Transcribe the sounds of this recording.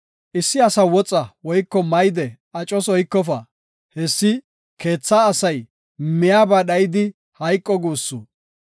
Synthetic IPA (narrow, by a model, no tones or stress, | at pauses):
ʔɪsːɪɐsɐwɔt͡sʼːɐwɔjkːɔmɐjd̪ɛ | ɐt͡ʃʼɔswɔjkːɔfɐ | hɛsːɪ | ke̞ːt͡sːaːsɐj | mɪjaːbaːɗɐjɪd̪ɪ | hɐjkʼːɔɡuːsːu